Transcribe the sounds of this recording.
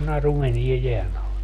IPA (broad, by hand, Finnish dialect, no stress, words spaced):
nɑru meniɛ jeæn ɑle